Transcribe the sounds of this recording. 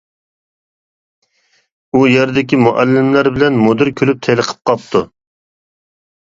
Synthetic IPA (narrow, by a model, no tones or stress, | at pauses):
ujeɾd̪ɪkʲimuʔɛlːɪmlæɾbɪlɛnmod̪ɨɾkʲʰølyp̚t̪ʰɛlˠəqʰə̥p̚qʰɑp̚t̪ʰu